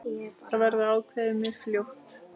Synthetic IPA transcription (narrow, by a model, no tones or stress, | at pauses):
avɛɾðʏaːwkʰvɛðɪmːɛðfljowht̪